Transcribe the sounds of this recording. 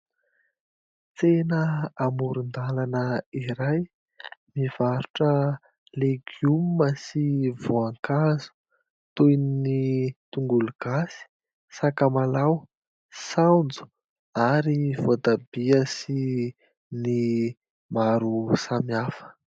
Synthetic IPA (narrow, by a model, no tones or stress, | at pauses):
t͡senəamuɾund̪alanəiɾaj | miv̥aɾuʈ͡ʂə | leɡumməsivoaŋkazu̥ | t̪ujninit̪uŋɡuluɡ̥asi̥ | sakamalaw | sand͡zu̥ | aɾivot̪abiəsi | ni | maɾusamiafə̥